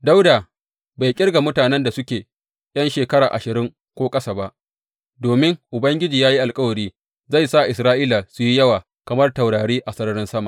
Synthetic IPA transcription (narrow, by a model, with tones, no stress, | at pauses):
da˦wdaː˨ | ba˨jkʲʼɪ˦rɡa˨mʊ˦taː˨nɛ˦nda˨sʊ˦kʲeː˨ | ɗɐ˦nʃeː˨kɐ˦ɽaː˨ʔa̰˨ʃɪ˨ɾɪ˦ŋ | kʷoː˦kʼɐ˦sa˨ba˦ʔ | doː˨mɪ˦ŋʔʊ˨bɐ˦ŋɡʲɪ˦d͡ʒiː˨jaː˦ji˦ʔa˨lkʼɐ˦wɐ˨ɾiː˦ | za˦˨jsa˦˨ʔɪ˨sɾaː˦ʔiː˦laː˨sʊ˨ji˦jɐ˦waː˨ | kɐ˨mɐ˦rtɐ˨wɽaː˨ɽeː˦ʔa˨sɐ˦ɾɐ˦ɽɪ˦nsɐ˦ma̰˨ʔ